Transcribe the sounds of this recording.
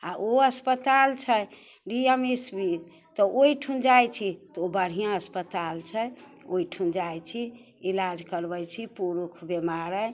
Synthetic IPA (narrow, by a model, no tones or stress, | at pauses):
aoəspət̪alt͡ʃʰə | ɖiemesbi | t̪ɔʔoiʈʰũnd͡ʒajt͡ʃʰit̪ɔobəɽ̤ijãəspət̪alt͡ʃʰə | oiʈʰund͡ʒajt͡ʃʰi | ilad͡ʒkəɾbəjt͡ʃʰipuɾukʰbemaɾə